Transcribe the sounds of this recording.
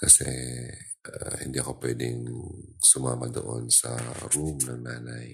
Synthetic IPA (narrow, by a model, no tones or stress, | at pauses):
kɐsɛ | ʔahɪnd̪iʔɐkopwɛːd̪ɪŋsumamad̪o̰ʔonsɐɾumnɐŋnaːnaj